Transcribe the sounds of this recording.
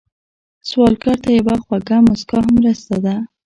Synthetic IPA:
swɑlkɑɾt̪ajawaxwaɡamʊskɑɦamɾəst̪ad̪a

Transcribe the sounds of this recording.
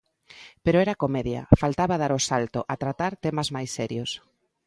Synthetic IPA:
peɾoɛɾakomɛðjɐ̰falt̪aβað̞aɾosalt̪oʔat̪ɾat̪aɾt̪ɛmazmajsːɛɾjos

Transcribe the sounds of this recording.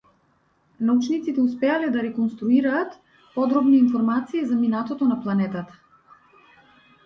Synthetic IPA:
naut͡ʃnit̪sit̪ɛuspɛalɛd̪aɾɛkɔnst̪ɾuiɾaːt̪ | pɔd̪ɾɔbniːnfɔɾmat̪siːzaminat̪ɔt̪ɔnaplˠanɛt̪at̪ḁ

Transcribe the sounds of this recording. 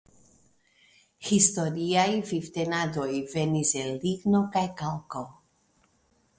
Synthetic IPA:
hist̪oɾiajvift̪enad̪ojveniselːiɡnokajkalko

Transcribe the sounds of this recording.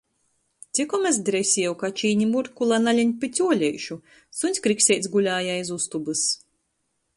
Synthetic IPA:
t̪sʲikɔmɛs̬d̪ɾɛsʲiɛwkat͡ʃiːɲimuɾkulˠanalʲiɲʲpʲit̪sʲuɔlʲɛjʃu | sunʲsʲkɾiksʲɛjt̪sɡulʲaːjaizust̪ubɨs

